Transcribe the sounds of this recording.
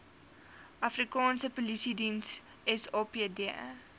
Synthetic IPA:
ʔɐfrikɑːnsəpolisidins | ɛsɑːpeədiɛ̰

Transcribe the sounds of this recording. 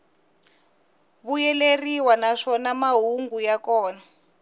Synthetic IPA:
βujɛleriwanaʂɔnamaɦuŋɡujakɔːna

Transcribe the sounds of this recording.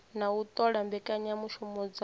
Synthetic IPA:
naut̪ʼɔɺambɛkʼaɲamuʃɔmɔd͡z

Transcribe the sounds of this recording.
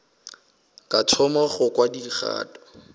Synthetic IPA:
katʰɔmaχʊkwadiχa̰ːtɔ̥

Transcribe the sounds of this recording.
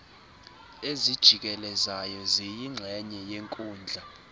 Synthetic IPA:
ezid̥ʒ̥ʱik̬ʼɛlɛzajɔzijiŋ͡ǁʱɛɲɛjeŋkʼuːnd͡ɮʱa

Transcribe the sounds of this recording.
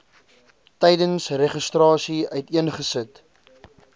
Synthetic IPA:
tɛjdənsreχəstrɑːsiœɥtiənχəsət

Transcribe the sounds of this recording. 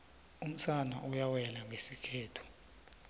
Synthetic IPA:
um̩t͡sʰana̰ʔujawɛlaŋʱesikʰɛːtʰu̥

